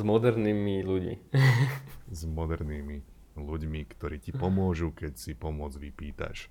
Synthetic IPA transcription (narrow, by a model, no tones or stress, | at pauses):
mɔd̪ɛɾnimiluɟmḭ | zmɔd̪ɛɾnimi | luɟmikt̪ɔɾiːcipɔmʊɔʒukɛcsipɔmʊɔd͡zʋipiːt̪a̰ʃ